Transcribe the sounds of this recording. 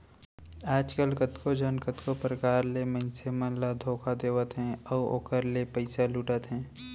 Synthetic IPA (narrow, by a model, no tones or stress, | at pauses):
aːd͡ʒkəlkət̪kod͡ʒənkət̪kopɾəkaːɾleməɪnsemə̃nlad̪ʱoːkʰad̪eːʋət̪ɦɛ̃ɔːo̰ːkəɾlepəɪsaluːʈət̪ɦɛ̃ː